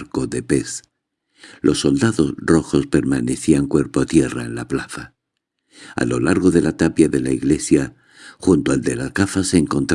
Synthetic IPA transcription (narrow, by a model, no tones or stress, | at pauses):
ko̞ðe̞pe̞s | lʔo̞sːo̞ld̪aðo̞sro̞xo̞spe̞ɾmane̞θiaŋkwe̞ɾpo̞t̪je̞ra̰enlaplaθa | a̰lo̞laɾɣo̞ðe̞lat̪apjaðe̞laiɣle̞sja | xunt̪oald̪e̞lakafase̞ːŋko̞nt̪ɾ